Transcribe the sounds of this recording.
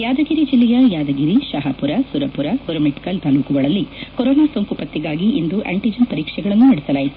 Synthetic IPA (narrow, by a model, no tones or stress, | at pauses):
jaːd̪ɐɡiɾid͡ʒilːɛjɐjaːd̪ɐɡiɾiʃɐɦɐpuɾɐsuɾɐpuɾɐkuɾɐmiʈi̥kɐlt̪aːlukuʋɐɭɐlːikɔɾɔːnaːsoŋkupɐt̪ːiɡaːɡiʔind̪uʔḛɳʈid͡ʒɐnpɐɾiːkʂɛɡɐɭɐnːunɐɽɛsɐlaːjit̪u